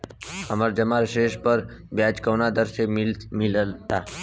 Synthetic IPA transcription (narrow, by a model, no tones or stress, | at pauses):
həməɾd͡ʒəmaɾʃeːʃpəɾbjaːd͡ʒkəːnad̪əɾsemɪləlt̪aː